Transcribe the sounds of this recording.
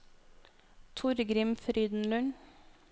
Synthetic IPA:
t̪ʰʊɾɡɾɪmfɾyːd̪n̩lʉn

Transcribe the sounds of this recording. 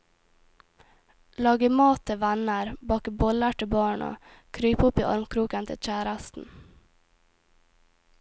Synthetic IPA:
lɑːɡəmɑːt̪ʰəʋænəɾbɑːkəbɔləʈɪbɑːɳo̰ː | kʰɾyːpʊpiːʔɑ̰ɾmkʰɾuːkənt̪ʰɪ̰lc͡çæːɾəst̪n̩

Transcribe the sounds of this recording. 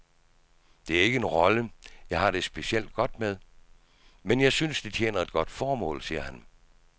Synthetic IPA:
d̥e̝æɐe̝ɡ̥əenʁɒ̽ləjɑ̈ɪɦɑ̈ɾ̥e̝sb̥e̝siel̰d̥̚ɡ̥ɒ̽d̥með̞ˠ | menjɑ̈ɪsynsd̥it͡sʰjḛːnɐe̝d̥̚ɡ̥ɒ̽d̥fɒːmɔ̰̽ːlsiːɐhæn

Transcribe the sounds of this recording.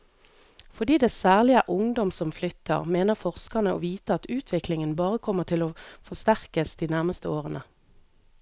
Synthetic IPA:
fɔʁd̪iːd̪eːsæːʁlɪəʔʊŋd̪ɔmsɔmflʏt̪ʰə̰ʁmeːnəʁfɔʁskənəo̰ːʋiːt̪əɑt̪ʉːt̪ʰʋɪklɪŋənbɑːʁəkʰɔməʁt̪ʰɪloːfɔst̪æʁkəsd̪̥iːnæʁməst̪əoːʁənə

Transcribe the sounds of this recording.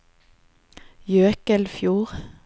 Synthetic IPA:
jøːkəlfjuːʁ

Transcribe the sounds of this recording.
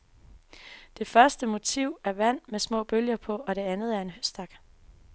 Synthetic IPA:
d̥e̝fɶɐsd̥əmo̝t͡sʰiʊ̰æɐʋæn̰mesmɔ̰̽ːb̥øljɐpʰɒ̽ɒ̽ɾ̥e̝ænð̩ˠæɐe̝nɦøsd̥ɑ̈ɡ̥

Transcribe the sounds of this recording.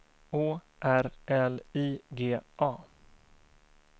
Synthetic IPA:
oː | ʔæɾʔɛliːɡeːʔɑː

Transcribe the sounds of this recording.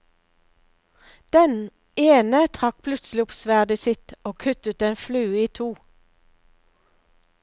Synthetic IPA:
d̪̥ɛn | eːnət̪ʰʁɑk̚pʰlʉt̪slɪʊpsʋæʁd̪ɪsɪt̪oːkʰʉt̪ət̪eːnflʉːiːt̪ʰuː

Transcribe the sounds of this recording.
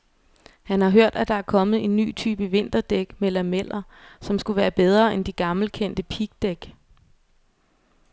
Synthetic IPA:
hænhɑ̈ɦøɐ̰d̥æd̥ɑ̈æɐkʰɒ̽mð̞̩ˠe̝nːy̰ːt͡sʰy̰ːb̥əʋe̝n̰d̥ɐd̥eɡ̥melæmel̰ɐsɒ̽msɡ̥uʋæːɐb̥eð̞ˠʁɐːend̥iɡ̥ɑ̈ml̩kʰen̰d̥əpʰiɡ̥̚d̥eɡ̥

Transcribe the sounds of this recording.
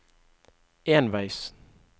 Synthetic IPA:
eːnʋæɪs

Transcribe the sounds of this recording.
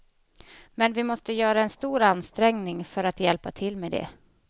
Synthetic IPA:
mɛnvɪmɔst̪əjœːɾaɛnst̪uːɾanst̪ɾɛŋnɪŋfœɾat̪jɛlpat̪ʰɪlːmed̪ɛ̰

